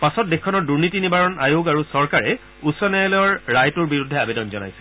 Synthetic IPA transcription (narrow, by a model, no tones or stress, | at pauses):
pasɔt̚dekʰːɔnɔɹduɹnitinibaɹɔna̰joɡaɹusɔɹkaɹɛ | usɔnɛjɔlɔjɔɹːajtuɹbiɹudʱːɛabedɔnzɔna̰jsɛ̥